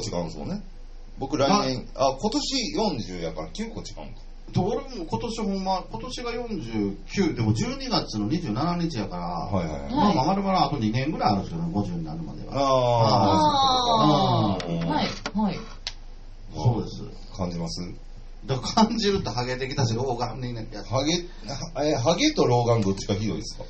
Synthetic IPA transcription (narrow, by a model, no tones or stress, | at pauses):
t͡ɕikã̰ɯ̃nso̰ne | bo̞kɯ̟ɾaiaẽako̞t̪o̞ɕijõ̞ɲd͡ʑɨːjapːaɾkʲɨːkot͡ɕi̥ka̰ɯ̰̃k̪ḁ | t̪ooɾemoko̞t̪o̞ɕihõ̞mːako̞t̪o̞ɕiɡajõ̞ɲ̟d͡ʑɨːkʲʰɨːd̪e̞mo̞d͡ʑɨːɲ̟iɡat͡sɨno̞ɲ̟iʑɨːnanaɲit͡ɕid̪akaɾa̰haiha̰jha̰maamaɾɯ̟maɾaːt̪o̞ɲ̟inẽ̞ŋɡɯ̟ɾajaɾɯ̟nsɨ̥ke̞d̪omɡo̞ʑɨːnã̰nɯma̰d̪ḛβa̰aaa | ɯ̃ | iha | soːd̪e̞sɨ̰ | kʰãɲ̟d͡ʑimasɨ | d̪akakʰãɲ̟d͡ʑiɾɯ̟t̪o̞ɦaɡe̞t̪e̞kʲi̥t̪asiɾo̞ːɡãnenẽejahaɡe | haeɦaɡet̪oɾo̞ːɡãnd̪o̞t͡ɕːi̥kaçid̪o̞̰ḭd̪esɨ̥ka